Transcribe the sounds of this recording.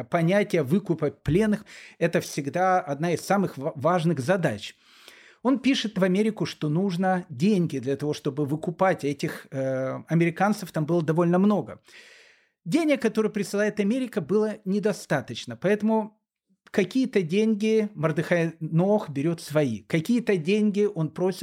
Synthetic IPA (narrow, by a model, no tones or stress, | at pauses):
pɐnʲætʲɪjəvɨkʊpəplʲe̞nːɨxɛt̪əfsʲɪɡd̪aɐd̪naɪsːamɨxvaʐnɨxzɐd̪at͡ɕ | o̞npʲiʂɨt̪vɐmʲeɾʲɪkʊʂt̪o̞nuʐnədʲenʲɡʲɪd̪lʲɐt̪ɐvo̞ʂt̪o̞bɨvɨkʊpatʲɛtʲɪx | ɐmʲɪɾʲɪkant̪səft̪ambɨlˠəd̪ɐvo̞lʲnəmno̞ɡə̰ | dʲenʲɪkːɐt̪o̞ɾɨjpɾʲɪsɨlˠajɪt̪ɐmʲeɾʲɪkəbɨlˠənʲɪd̪ɐst̪at̪ət͡ɕnəpɐɛt̪əmʊ | kɐkʲijət̪ədʲenʲɡʲɪmərd̪ɨxɐnoxbʲɪɾʲo̞t̪svɐikɐkʲijət̪ədʲenʲɡʲɪʔo̞npɾo̞sʲɪt̪